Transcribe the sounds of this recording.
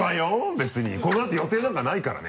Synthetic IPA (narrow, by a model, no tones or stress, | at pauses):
majobe̞t͡sɨɲ̟ḭko̞noat̪ːejo̞t̪e̞ːd̪aŋkanaikaɾa̰ne